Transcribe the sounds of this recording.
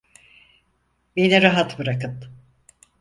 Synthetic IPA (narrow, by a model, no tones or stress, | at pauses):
beniɾaɦat̪bɯɾakɯn